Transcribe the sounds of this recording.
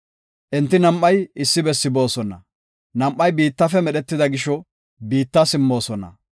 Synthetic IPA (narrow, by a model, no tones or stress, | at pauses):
ʔɛnt̪ːɪnɐmʔːɐjɪsːɪbɛsːɪbo̞ːsɔnɐ̰ | nɐmʔːɐjbiːt̪ːɐfɛmɛɗɛt̪ːɪd̪ɐɡɪʃɔ | biːt̪ːɐsɪmːo̞ːsɔnɐ̰